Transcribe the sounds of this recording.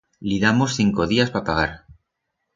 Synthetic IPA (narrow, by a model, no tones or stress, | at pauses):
liðamosθiŋko̞ð̞iaspapaɣ̞aɾ